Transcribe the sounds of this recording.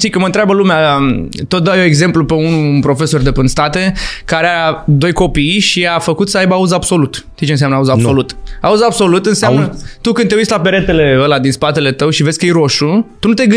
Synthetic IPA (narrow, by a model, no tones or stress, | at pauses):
t̪ikəməɨnt̪ɾabəlumeat̪ot̪̚d̪awjoeɡze̞mplupe̞unupɾo̞fe̞so̞rd̪e̞pɨnst̪at̪e̞kaɾead̪o̞jko̞pijʃiafəkut̪səajbauzabso̞lut̪ʃt̪ijt͡ʃensjamnəauzaso̞lut̪a̰uzabso̞lut̪ɨnseamnnət̪ukɨnt̪eujt͡ʃʲt̪lape̞ɾe̞t̪e̞le̞əlad̪inspat̪e̞le̞t̪əwʃive̞zʲkəjejɾo̞ʃut̪unut̪eɡɨ